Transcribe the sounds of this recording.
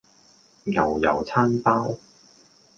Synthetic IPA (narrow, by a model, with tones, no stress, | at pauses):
jɐ˨˩wjɐ˨˩wt͡sʰaː˥npaː˥w